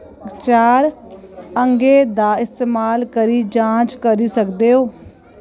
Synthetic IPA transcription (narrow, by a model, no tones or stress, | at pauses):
t͡ʃaːɾ | əŋɡeːd̪aːɪst̪eːmaːlkəɾiːd͡ʒãːt͡ʃkəɾiːsəkd̪eːɦoː